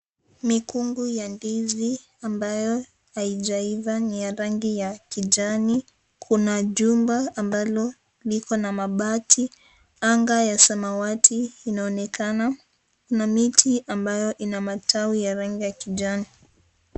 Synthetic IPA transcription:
mikuŋɡujandizi | ambajɔ | aiʄaivanijaɾaŋɡijakiʄani | kʰunaʄumbaːmbalɔ | likɔnamaɓatʰi | aŋɡajasamawatʰiːnaɔnɛkana | kunamitʰiʔambajɔʔinamatʰawijaɾaŋɡijakiʄani

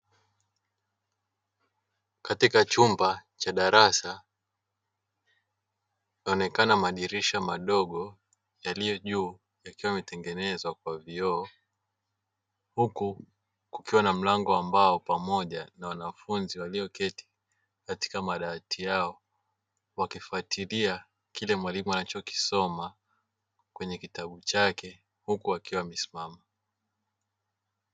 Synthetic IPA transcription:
katikat͡ʃumbat͡ʃaɗaɾasa | naɔnɛkanamaɗiɾiʃamaɗɔɠɔ | jalijɔʄuː | jakiwaimɛtɛŋɡɛnɛzwakwaviɔː | huku | kukiwanam̩laŋɡɔambaɔpamɔʄanawanafunziwalijɔkɛti̥ | kati̥kamaɗaːtʰijaɔ | wakifuatʰilia | kilɛmwalimuanat͡ʃɔki̥sɔma | kwɛɲɛkitaɓut͡ʃakɛ | hukuwakiwamɛsi̥mama

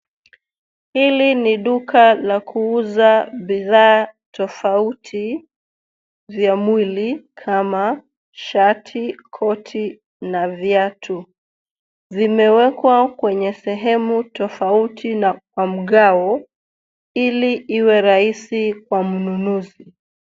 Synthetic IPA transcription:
hiliniɗukalakʰuuzaɓiðaːtɔfautʰi | vjamwilikʰama | ʃatʰikʰɔtʰi | navjatʰu | vimɛwɛkwakwɛɲɛsɛɦɛmutɔfautʰinakwam̩ɠaɔ | iliʔiwɛɾaisikwam̩nunuzi

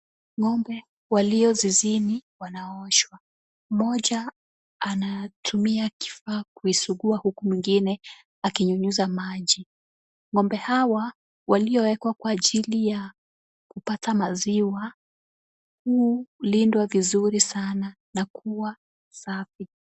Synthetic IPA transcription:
ŋɔmbɛ | waliɔziziniwanaɔʃwa | mɔʄaː | natʰumiaki̥faːkuisuɠuahukumwiŋɡinɛ | akiɲuɲuzamaʄi | ŋɔmbɛhawa | waliɔwɛkwakwaːʄilija | kupatʰamaziwa | hulindwavizuɾisana | nakʰuwa | safi

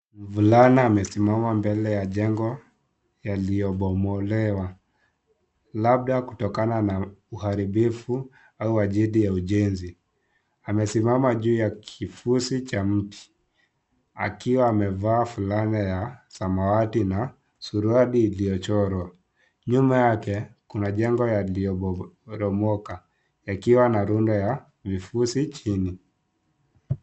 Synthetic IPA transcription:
m̩vulanaːmɛsimamambɛlɛjaʄɛŋɡɔ | jalijɔɓɔmɔlɛwa | lab̚ɗakutɔkananauhaɾibifu | auaʄiɗijauʄɛnzi | amɛsimamaʄuːjakʰifusit͡ʃam̩ti̥ | a̰kiwaːmɛvaːfulanɛjasamawatina | suɾuaɗiːlijɔt͡ʃɔɾwa | ɲumajakɛkunaʄɛŋɡɔjaliɔɾɔmɔka | jakiwanaɾundɔja | vifusit͡ʃini

